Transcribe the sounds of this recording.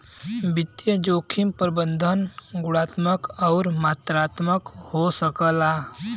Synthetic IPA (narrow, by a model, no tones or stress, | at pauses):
bɪt̪jəd͡ʒoːkʰɪmpɾəbə̃nd̪ʱənɡʊɽaːt̪məkɔːɾmaːt̪ɾaːt̪məkhosəkəlaː